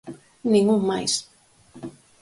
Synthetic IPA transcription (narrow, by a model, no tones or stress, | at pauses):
nĩŋuŋmajs